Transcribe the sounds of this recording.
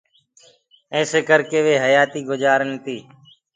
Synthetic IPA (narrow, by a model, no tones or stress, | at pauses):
ẽːseːkəɾkeːʋeːɦəjaːt̪iːɡʊd͡ʒaːɾənt̪iː